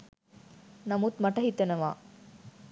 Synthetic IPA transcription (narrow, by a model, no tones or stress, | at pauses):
nɐmut̪mɐʈɐɦit̪ːɐnɐʋa̰ː